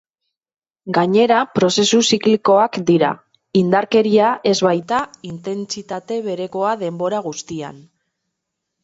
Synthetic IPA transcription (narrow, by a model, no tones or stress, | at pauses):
ɡaɲe̞ɾapɾo̞se̞susikliko̞akd̪iɾa̰ | ind̪aɾke̞ɾiaʔe̞zβajt̪aint̪e̞nt͡sit̪at̪e̞βe̞ɾe̞ko̞aðe̞mbo̞ɾaɣ̞ust̪ia̰n